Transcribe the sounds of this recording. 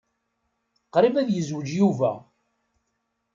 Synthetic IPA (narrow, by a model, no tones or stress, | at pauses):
qːɾivæðjəzwəd͡ʒjuvæ